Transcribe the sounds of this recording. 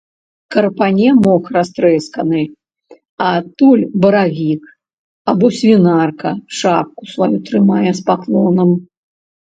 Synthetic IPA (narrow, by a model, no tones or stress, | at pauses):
kɐrpanʲɛmɔxrast̪ɾɛskɐnɨ | at̪ulʲbɐɾavʲik | abɔsʲvʲinarkɐʂap̚kusvajut̪ɾɨmajɛspaklˠɔnɐm